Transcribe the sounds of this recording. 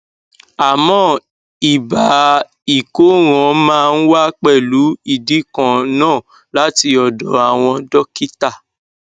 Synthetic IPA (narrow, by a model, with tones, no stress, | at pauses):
a˨mɔ̃˦ | i˨ba˨ | i˨ko˨˦ɾ̃ɔ̃˨mãː˦˧n̩˦wa˦k͡pɛ˦˨lu˨˦i˦˨di˨˦kã˨nãː˦˨ | la˨˦ti˧ɔ˨dɔ˨a˨w̃ɔ̃˧dɔ˦ki˦ta˦˨